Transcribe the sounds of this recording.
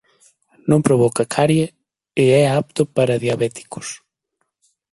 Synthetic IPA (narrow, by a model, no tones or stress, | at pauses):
nõmpɾoβɔkɐkʰaɾjɐ | ɪɛap̚t̪ʊpaɾɐðjaβɛt̪i̥kʊ̥s